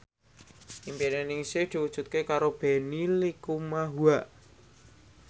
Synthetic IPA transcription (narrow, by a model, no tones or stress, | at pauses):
impinɛnɪŋsɪhd̪̥i̤wud̥ʒ̥ṳt̪̚kekaɾob̥e̤nilikumaɦuaʔ